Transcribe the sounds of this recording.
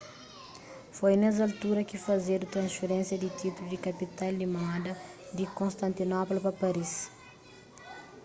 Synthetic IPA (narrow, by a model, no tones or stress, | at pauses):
fojnɛzalt̪uɾɐkifɐzeɾut̪ɾɐ̃sfeɾẽnsjɐd̪it̪it̪ulud̪ikɐpit̪ajldimãd̪ɐd̪ikõst̪ɐ̃nt̪inɔplpɐpɐɾis